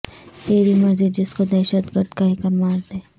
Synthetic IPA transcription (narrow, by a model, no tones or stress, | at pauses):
t̪eːɾimɐɾzid͡ʒɪskod̪ɛːʃət̪ɡəɾd̪kaɦɪkɐɾmaːɾd̪eː